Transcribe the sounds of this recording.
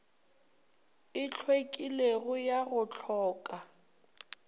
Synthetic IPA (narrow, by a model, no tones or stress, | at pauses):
ɪt͡ɬʰwekʼileɣʊjaɣʊt͡ɬʰɔːkʼa